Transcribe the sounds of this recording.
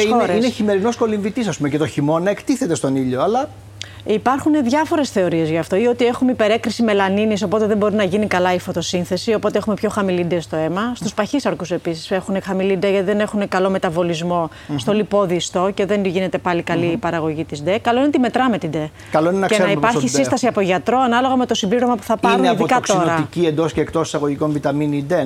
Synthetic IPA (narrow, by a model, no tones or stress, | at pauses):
ioeɾeieçime̞ɾino̞sko̞liɱvit̪isɐspumecet̪o̞çimo̞nɐekt̪iθe̞t̪e̞st̪o̞niʎoɐlɐ | ipɐɾxuneðʝɐfo̞ɾe̞sθe̞o̞ɾie̞zʝɐːft̪o̞io̞t̪ie̞xumeipe̞ɾe̞kɾisime̞lɐniniso̞po̞t̪eðe̞mbo̞ɾinɐʝinikɐlɐifo̞t̪o̞sinθe̞sio̞po̞t̪e̞exume̞pço̞xɐmilid̪est̪o̞e̞mɐst̪uspɐçisɐɾkuse̞pisi̥se̞xunexɐmilid̪eʝɐt̪iðe̞ne̞xunekɐlo̞me̞t̪ɐvo̞lizmo̞ | st̪o̞lipo̞ðist̪o̞ce̞ðenʝine̞t̪e̞pɐlikɐliːpɐɾɐɣo̞ʝit̪izd̪ekɐlo̞inet̪ime̞t̪ɾɐme̞t̪id̪e̞ | kɐloinenɐesnɐipɐɾçissinst̪ɐsiɐpoʝɐt̪ɾo̞ɐnɐlo̞ɣɐme̞t̪o̞simbliɾo̞mɐpu̥θɐpɐɾuniðikɐɐtkso̞ɾɐiciend̪o̞sceːkt̪o̞si̥sɐɣoʝiko̞nvit̪ɐminid̪e